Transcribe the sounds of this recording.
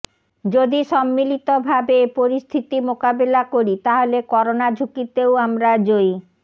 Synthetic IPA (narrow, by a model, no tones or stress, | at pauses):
d͡ʑod̪iʃɔmːilit̪obʱabepoɾist̪ʰit̪imokabelakoɾit̪aɦolekɔɾonad͡ʑʱukit̪ewamɾad͡ʑoj